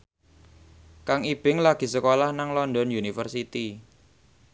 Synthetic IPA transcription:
kaŋib̥ɪŋlaɡ̥i̤səkolahnaŋlɔndɔnjunifərsit̪i

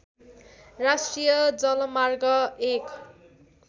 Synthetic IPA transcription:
rasʈrijʌd͡zʌlʌmarɡʌek

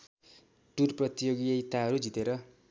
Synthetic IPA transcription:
ʈurprʌt̪ijoɡijʌit̪aɦʌɾud͡zit̪eɾʌ

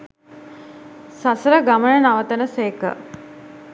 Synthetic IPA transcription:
sasəɾəɡamənənaʋət̪ənəseːkə̰

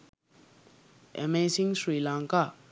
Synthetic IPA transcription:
ʔɛ̰mesĩŋsɹilãŋka

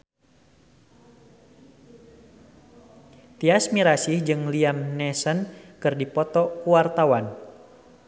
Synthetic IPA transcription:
t̪iasmiɾasihd͡ʒɨŋliamnɛsənkɨrdipɔt̪ɔkuwart̪awan

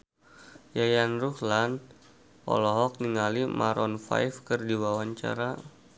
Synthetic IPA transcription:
jajanruhlan | ɔ̰lɔɦɔk̚niŋalimaɾɔnfa̰jfkərdiwawaɲt͡ʃa̰ɾa

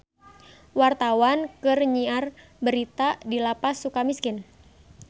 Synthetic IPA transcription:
wart̪awankɨrɲiar | bəɾit̪adilapasukamiskɪn

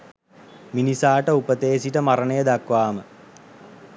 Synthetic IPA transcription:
minisaːʈəupət̪eːsiʈəmaɾənəjəd̪akʋaːmə

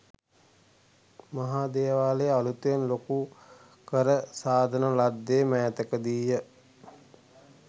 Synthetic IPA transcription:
mɐɦaːd̪eːʋaːlealut̪enloku | kəɾəsaːd̪ʱənəlad̪ːeːmɛːt̪əkəd̪ijə

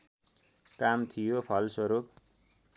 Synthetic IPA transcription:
kamt̪ʰijopʰʌlswʌɾup̚

